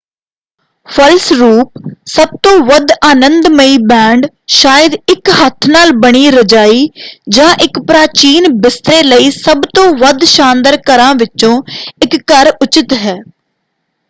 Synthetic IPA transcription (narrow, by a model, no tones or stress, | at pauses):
pʰəlsɾuːp̚səb̚t̪õːʋəd̪aːnənd̪məiːbɛ̃ːɳɖ | ʃaːjəd̪ɪkɦət̪ʰnaːlbəɽ̃iːɾəd͡ʒaːiːd͡ʒãːʔɪkpɾaːt͡ʃiːnbɪst̪ɾeːləiːsəbt̪õːʋəd̪ʃãːnd̪əɾkəɾãːʋɪt͡ʃõːɪkːəɾʊt͡ʃɪt̪ɦɛː